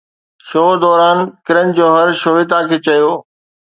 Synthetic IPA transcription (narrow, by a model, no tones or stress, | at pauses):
ʃoːd̪ɔːɾaːnkɪɾən̆d͡ʑoːɦɐɾʃoːʋɪt̪̬ãkʰeːt͡ɕɐjoː